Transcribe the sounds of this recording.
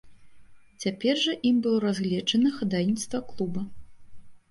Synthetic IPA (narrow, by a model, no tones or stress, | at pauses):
t͡sʲapʲɛrʐɐʔimbɨlˠɔɾazɣlʲɛd͡ʐɐnɐxad̪ajnʲit̪st̪vɐklˠubɐ